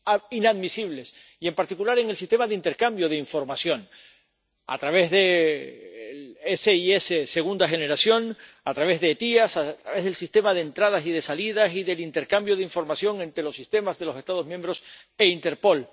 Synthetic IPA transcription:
ainaðmisiβ̞le̞s | ie̞mpaɾt̪ikulaɾe̞ŋelsist̪e̞maðeint̪e̞ɾkambjoð̞eiɱfo̞ɾmasjo̞n | a̰t̪ɾaβe̞zðe | leseiesese̞ɣ̞und̪axe̞ne̞ɾasjo̞n | at̪ɾaβ̞e̞zðe̞t̪iasat̪ɾaβe̞zðelsist̪e̞mað̞ent̪ɾað̞asið̞e̞salið̞asiðe̞lint̪e̞ɾkambjo̞ðeiɱfo̞ɾmasjo̞ŋe̞nt̪ɾelo̞sist̪e̞mazðe̞lo̞se̞st̪aðomjẽ̞mbɾo̞s | e̞int̪e̞ɾpo̞l

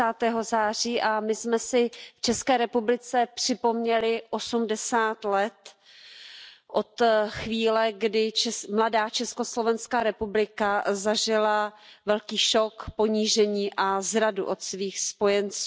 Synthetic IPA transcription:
aːt̪ɛːɦo̞zaːr̝iːʔamɪsmɛsɪft͡ʃɛskɛːɾɛpublɪt͡sɛpr̝̥ɪpo̞mɲɛlɪʔo̞sumdɛsaːt̪lɛt̪ | ʔo̞t̪xviːlɛɡdɪt͡ʃɛmladaːt͡ʃɛsko̞slo̞vɛnskaːɾɛpublɪkazaʒɪlavɛlkiːʃokpo̞ɲiːʒɛɲiːʔazɾaduʔo̞t̪sviːxspo̞jɛnt͡suː

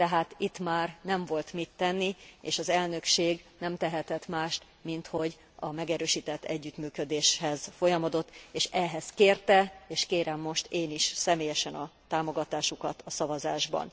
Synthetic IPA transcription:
t̪ɛɦaːt̪it̪maːrnɛɱvo̞lt̪mit̪ːɛnːiḛːʃɒzɛlnø̞kʃeːɡnɛmt̪ɛɦɛt̪ɛt̪maːʃt̪ | mint̪ho̞ɟ | ɒmɛɡɛɾøːʃiːt̪ɛt̪ːɛɟːyt̪myːkød̪eːʃhɛzfo̞jɒmɒd̪o̞t̪ːeːʃɛɦɛskeːrt̪ɛeːʃkeːɾɛmːo̞ʃt̪eːniʃsɛmeːjɛʃɛnɒt̪aːmo̞ɡɒt̪aːʃukɒt̪ʰɒsɒvɒzaːʒbɒ̰n

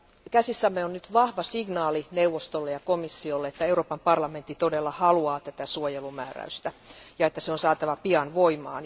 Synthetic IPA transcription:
kæsisːæmːeonnyt̪ʋɑhʋɑsiɡnɑːlineuʋːost̪olːejɑkomisːiolːeet̪ːæeuroːpɑmpɑrlɑment̪ːit̪odelːɑhɑluɑːt̪æt̪æsuojelumæ̰ːræ̰yst̪æjɑet̪ːæseonsɑːt̪ɑʋɑpiɑnʋoimɑ̰ːn

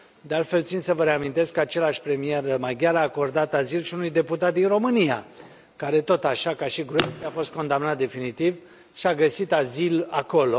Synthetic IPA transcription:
d̪e̞alt̪fe̞lt̪sint̪səvəɾeamint̪e̞skːəat͡ʃe̞laʃʲpɾe̞mije̞rəmajɡʲaɾaːko̞rd̪at̪azilʃiunujd̪e̞put̪at̪̚d̪inro̞mɨnija | kaɾe̞t̪o̞t̪aʃakaʃiɡɾueft̪eafo̞st̪̚ko̞nd̪amnat̪̚d̪e̞finit̪iv | ʃiaɡəsit̪azilako̞lo̞

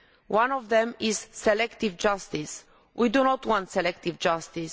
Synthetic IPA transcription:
wãnɔvðɛ̃miz̥ːɛlɛkt̪ivd͡ʒast̪is | wʔid̪unɔt̪wɔ̃nt̪sɛlɛk̚t̪ivd͡ʒast̪is

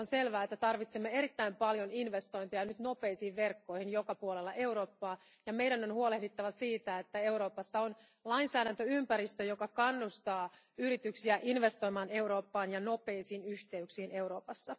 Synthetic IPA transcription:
onse̞lʋæːet̪ːæt̪ɑrʋit̪semːee̞ɾit̪ːæimpɑljoninʋest̪o̞jnt̪ejɑnyt̪no̞peːsiːʋʋe̞rkːo̞jhinjokɑpuolelːɑʔeuɾo̞ːpːɑː | jɑmejdænonhuolehdit̪ːɑʋɑsiːt̪æet̪ːæe̞uɾo̞ːpɑsːɑon | lɑinsæːdænt̪øympæɾist̪øjokɑkɑnːust̪ɑː | yɾit̪yksiæʔinʋe̞st̪o̞jmɑːne̞uɾo̞ːpːɑːnjɑno̞pe̞isiːnyçt̪e̞yksiːne̞wɾo̞ːpɑsːɑ

